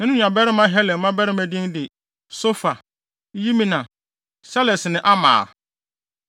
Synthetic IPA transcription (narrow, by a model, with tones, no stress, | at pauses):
nɪ̃˦nʊ̃˦ɲã˨bɛ˦ɾɪ˦mã˦ɦɛ˦lɛ˨˦mã˦bɛ˦ɾɪ˦mæ˦dĩ˦ndɪ˨ | so˦fa˨˦ | ji˦mĩ˦nã˨ | sɛ˦lɛ˨sɪ˨nɪ̃˦ʔa˦mã̰ː˨